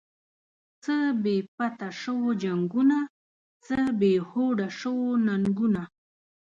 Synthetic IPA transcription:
t͡səbepat̪aʂowd͡ʒaŋɡʊna | t͡səbehoɽaʂownaŋɡʊna

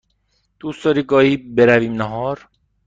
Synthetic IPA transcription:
d̪̥uːst̪ɒːɾiːɡɒːhiːbeɾæviːmnæɦɒːɾ

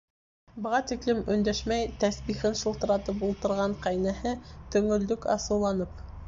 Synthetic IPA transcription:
bɤ̆ʁɑt̪iklɘmɵ̆nd̪æʃmæjt̪æsbiχɘnʃŭlˠt̪ɤ̆ɾɑt̪ɤpulˠt̪ɤ̆ɾʁɑɴqæjnæhɘt̪ɵ̆ŋɵ̆ld̪ɵkɑ̰sɤ̆wlˠɑnɤp̚

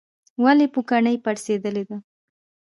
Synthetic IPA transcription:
walepukaɳəjpaɽsed̪əled̪a

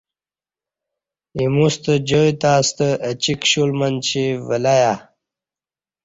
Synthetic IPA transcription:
imust̪əd͡ʑojt̪aːst̪əʔət͡ɕikɕulmənt͡ɕivəlaja

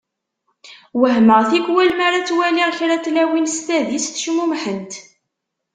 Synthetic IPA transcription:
wəɦməʁθikwælmaɾat͡sːwæliʁçɾat͡slæwinst̪æðisθʃmumħənt̪

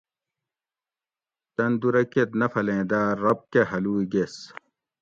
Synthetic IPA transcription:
t̪ɐnd̪uɾɐket̪nɐfɐlẽːd̪aːɾːɐp̚keɦɐluːiɡes

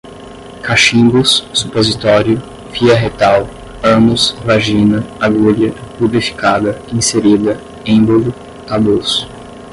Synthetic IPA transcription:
kaʃĩbussu̥pozit̪ɔɾjʊ | fiɐɦet̪aw | ɐ̃mʊsvaʒĩnɐaɡuʎɐpublifi̥kad̪ɐĩseɾid̪ɐ | ẽbolʊ | abosʊ̥

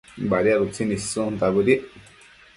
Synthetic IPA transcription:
baɾiaðut͡sinĩsũnd̪aβuɾiʔ

